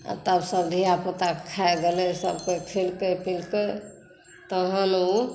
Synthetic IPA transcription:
a̰t̪əbsəbd̪ʱiapot̪akʰːaeɡelesə̰bkekʰilkepilke | t̪əɦənu

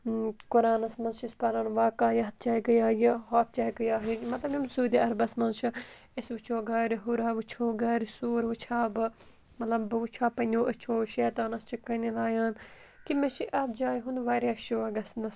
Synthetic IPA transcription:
kuɾaːnɐsmɐnzt͡ʃispɐɾaːnʋaːkaːjɐɦɐt̪̚t͡ʃaːiɡɐjaːjɐɦoːt̪̚t͡ʃaːiɡɐjaːɦimɐt̪lɐbjimsuːd̪ʲiɐɾbɐsmɐnt͡ʃʰɐ | isʋɨt͡ʃʰoːɡaːɾiɦuɾaːʋɨt͡ʃʰoːɡaːɾisuːɾʋɨt͡ʃʰaːbɨ | mɐt̪lɐbbɨʋɨt͡ʃʰaːpɐnʲoːʔɐt͡ʃʰoːʃeːt̪aːnɐst͡ʃʰikɐnilaːjaːn | kimeʃiʔɐt̪̚d͡ʒaːjɦũnd̪ʋaːɾʲjaːʃoːɐɡɐsnd̪ɐs

